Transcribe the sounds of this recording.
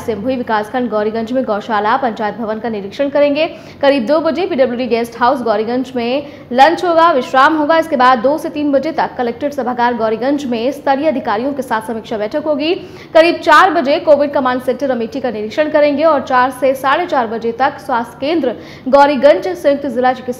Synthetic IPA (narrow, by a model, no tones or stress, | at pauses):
sɪ̃mbʱuiʋɪkaːskʰə̃ɳɖɡɔːɾiɡɐ̃ɲt͡ʃmẽɡɔːɾʃaːlapɐ̃ɲt͡ʃaːjət̪̚bʱɐʋənkanɪɾɪkʃəɽ̃kɐɾẽːŋɡe | kɐɾiːb̚d̪oːbɐd͡ʒepiːɖɐbluːɾiɡeːsʈɦaːʊs̬ɡɔːɾiɡɐ̃ɲt͡ʃmẽ | lɐ̃ɲt͡ʃɦoːɡaʋɪʃɾaːmɦõːɡaɪskebaːd̪ːoːset̪iːnbɐd͡ʒet̪ɐkːɐlɛːk̚ʈɪɖsɐbʱakaːɾɡɔːɾiɡɐ̃ɲt͡ʃmẽst̪ʰɐɽiɐd̪ʱɪkaːɾijõkesaːt̪ʰsɐmɪkʃabɛːʈʰəkɦoːɡi | kɐɾiːb̚t͡ʃaːɾbɐd͡ʒekoːʋɪɖ̚kɐmãːɳɖsẽːnʈəɾɐmiːʈikanɪɾɪkʃəɽ̃kɐɾẽːŋɡeɔːɾt͡ʃaːɾsesaːɽet͡ʃaːɾbɐd͡ʒet̪ɐkswaːst̪ʰkẽːnd̪ɾə | ɡɔːɾiɡɐ̃ɲt͡ʃsɐjʊk̚t̪zɪlat͡ʃke